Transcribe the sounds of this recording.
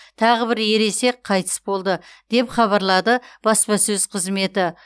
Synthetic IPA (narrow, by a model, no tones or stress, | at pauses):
t̪ʰɑʁəbɪɾje̞ɾe̞se̞k̚qʰɑjt̪ə̥sbo̞lˠd̪əd̪̥e̞pχɑβɑɾlˠɑd̪əb̥ɑspɑsɵzqʰəzme̞t̪ɪ